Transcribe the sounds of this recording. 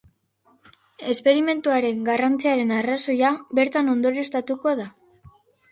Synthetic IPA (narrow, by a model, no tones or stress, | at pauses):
e̞spe̞ɾime̞nt̪uaɾe̞ŋɡarant͡siaɾe̞naraso̞jabe̞ɾt̪ano̞nd̪o̞ɾiest̪at̪uko̞ða